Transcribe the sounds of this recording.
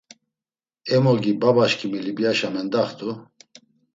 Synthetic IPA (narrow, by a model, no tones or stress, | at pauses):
ɛmɔɡibabaʃkʰʼimilibjaʃamɛnd̪aχt̪ʰu